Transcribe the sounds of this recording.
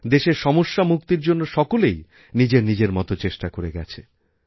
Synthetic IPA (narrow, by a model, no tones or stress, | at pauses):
d̪eʃeɾʃɔmoʃːamuk̚t̪iɾd͡ʑonːoʃɔkolej | nid͡ʑeɾnid͡ʑeɾmɔt̪ot͡ɕeʃʈakoɾeɡɛt͡ɕʰe